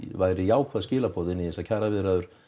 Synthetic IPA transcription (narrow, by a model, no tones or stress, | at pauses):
vaːjɾɪjaːwkvaðscɪːlapʰɔːðɪnːiɛsacʰaːɾavɪðɾaðʏɾ̥